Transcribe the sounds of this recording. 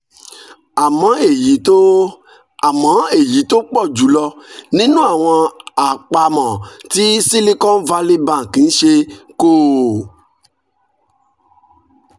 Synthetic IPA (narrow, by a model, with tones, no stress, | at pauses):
a˨mã˨˦e˨ji˨˦t̪o˦ | a˨mã˨˦e˦˨ji˨˦t̪o˦k͡pɔ˦˨d͡ʒu˨˦lɔ˧nĩ˦nũ˦a˦˨w̃ɔ̃˧a˨k͡pa˧mã˨ti˦si˦li˦kɔ̃˦va˧li˦bã˦˨kĩ˨˦n̩˦ʃe˧ko˦˨